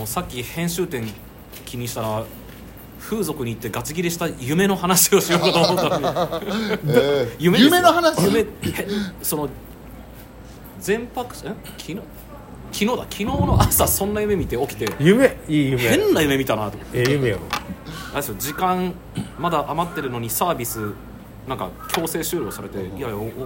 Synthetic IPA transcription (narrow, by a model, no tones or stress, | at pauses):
oːsakʲːihẽ̞ɰ̃ɕɨːt̪ẽ̞ŋ | kʲiɲ̟iɕi̥t̪aɾa | ɸɯ̟ːzo̞kɯ̟ɲ̟iːt̪ːe̞ɡat͡sɨɡʲiɾʲiɕi̥t̪ajɯ̟me̞no̞hanaɕio̞ɕijokat̪oːmoːa | jɯ̟meɯmenohanaɕmehẽso̞no̞ | d͡zẽ̞mpakɯ̥̃ | kʲʰino | kʲinoːd̪akʲʰino̞ːno̞ʔasasõ̞nːajɯ̟me̞mʲit̪e̞o̞kʲi̥t̪e̞jɯmeiɯmeẽ̞nːajɯ̟me̞mʲit̪anat̪omot̪ːejɯmeoad̪esɨjod͡ʑikãŋ | mad̪aʔamat̪ːe̞ɾɯ̟no̞ɲ̟isaːbʲisɨ | nãŋka̰kʲʰo̞ːse̞ːɕɨːɾoːsaɾe̞t̪e̞iajao